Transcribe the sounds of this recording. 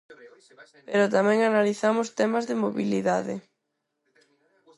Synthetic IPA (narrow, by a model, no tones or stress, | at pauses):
peɾʊt̪amɛ̃ŋanaliθamʊst̪ɛmazðɪmoβiliðaðɪ̰